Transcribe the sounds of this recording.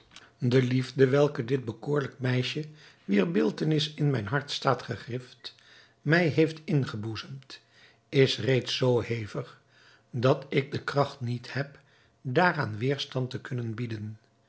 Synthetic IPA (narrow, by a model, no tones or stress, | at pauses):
dəlivdəʋɛlˠkədɪd̚bəkʊːɹləkmɛjʃəʋiɹbɪlˠtənɪsɪnmɛjnɦɑɹtstaːtχəχrɪft | mɛjɦejftɪnχəbuzəmt | ɪsrejtsowhejvəχ | dɑtɪk̚dəkrɑχtnithɛp | daːraːnʋɪːɹstɑntəkɵnənbidən